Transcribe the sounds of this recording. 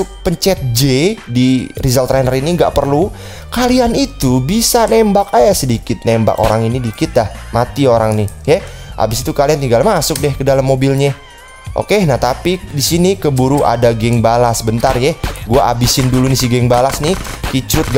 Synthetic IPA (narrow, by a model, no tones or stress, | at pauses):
ʊk̚pəɲt͡ʃɛt̪̚d͡ʒedirizalt̪ɾɛnəriniŋɡa̰ʔpərlu | kalianit̪ubisanembakajasədikɪt̪̚nemba̰ko̰ɾaŋinidikɪt̪̚lahmat̪ioɾaŋnɪhjɛʔa̰bɪsit̪ukaliant̪iŋɡalmasʊk̚dɛhkədalamːobilɲɛ | ʔo̰kenaht̪apidisinikəbuɾuʔa̰daɡɛŋbalasbənt̪arjɛɡuaabisɪndulunisiɡɛŋbalasnɪhkit͡ʃɾʊt̪̚ɡ